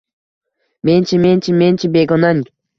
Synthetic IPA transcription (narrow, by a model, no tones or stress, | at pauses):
menʲt͡ʃʰimenʲt͡ʃimenʲt͡ʃibeɡonanʲ